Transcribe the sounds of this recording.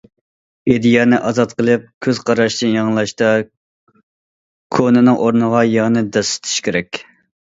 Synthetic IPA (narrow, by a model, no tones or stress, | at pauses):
ed̪ijɛnɪʔɑzɑt̪qəlˠɨp̚kʲʰøz̥qʰɑɾɑʃd̪ɨnjɑŋlˠɑʃt̪ɑ | kʰonɨnɨŋʔoɾnəʁɑjɑʁnɨd̪ɛsɪ̥t̪ʰɪ̥ʃkʲeɾɛkʲ